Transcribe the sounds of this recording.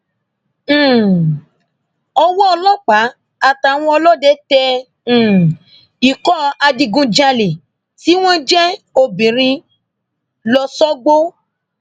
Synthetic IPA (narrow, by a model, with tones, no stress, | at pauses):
ɔ˧wɔ˦ɔ˧lɔ˦k͡pa˨˦ | a˨ta˨w̃ɔ̃˧ɔ˧lɔ˦˨dɛ˦tɛ̃˧˨ | i˨kɔ˦a˧di˧ɡũ˧˦d͡ʒa˧le˨ | ti˨˦w̃ɔ̃˦d͡ʒɛ˦o˧bĩ˨ɾ̃ĩ˧ | lɔ˧sɔ˦ɡ͡bo˦